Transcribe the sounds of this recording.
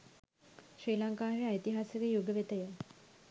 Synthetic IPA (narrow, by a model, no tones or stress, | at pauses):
ʃriːlaŋkaːɾeait̪iɦasəɡejuɡəʋet̪əjə